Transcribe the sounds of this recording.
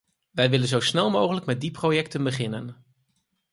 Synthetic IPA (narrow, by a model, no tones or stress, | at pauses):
ʋɛjʋɪlənzowsnɛlˠmowχələkmɛt̚diprojɛktənbəχɪnən